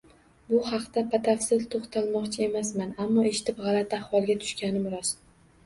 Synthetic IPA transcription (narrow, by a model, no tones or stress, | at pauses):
bʊhɑqt̪apʰat̪ʰafsɪzt̪ʰoχt̪ʰalmɒqt͡ʃʰɪe̞masmanamːɒe̞ʃɪ̥t̪ʰɪpʁɑlat̪ʰahwɒlˠɡʲat̪ʰʊ̥ʃkʲanɪmʊɾɒs